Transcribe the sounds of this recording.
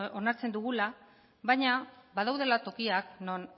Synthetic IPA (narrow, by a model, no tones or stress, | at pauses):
o̞naɾt͡se̞nd̪uɣ̞ula | βajɲabaðawðe̞lat̪o̞kiakno̞n